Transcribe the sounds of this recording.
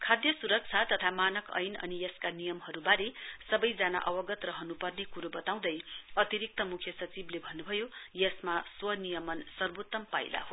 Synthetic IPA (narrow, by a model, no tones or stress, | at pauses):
kʰad̪jʌsuɾʌk̚t͡sʰat̪ʌt̪ʰamanʌkʌ̰jnʌ̰nijʌskanijʌmɦʌɾubaɾesʌbʌjd͡zana̰ʔʌwʌɡʌt̪rʌɦʌnupʌrnekuɾobʌt̪aw̃d̪ʌjʌt̪iɾik̚t̪ʌmukʰjʌsʌt͡siblebʱʌnːubʱʌjojʌsmaswʌnijʌmʌnsʌrbot̪ːʌmpa̰jla̰ɦo